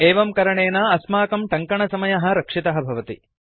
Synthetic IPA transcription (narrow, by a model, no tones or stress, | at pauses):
eːʋɐmkɐɾɐɳeːnaːɐsmaːkɐmʈɐŋkɐɳɐsɐmɐjɐɦɐ̆ɾɐkʂit̪ɐɦɐbʱɐʋɐt̪ḭ